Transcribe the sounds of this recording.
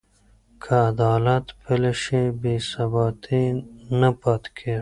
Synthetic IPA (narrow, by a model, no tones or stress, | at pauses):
kʰaːd̪ɑːlat̪pʰeleʃebesɐbɑːt̪ʰinɐpat̪kʰe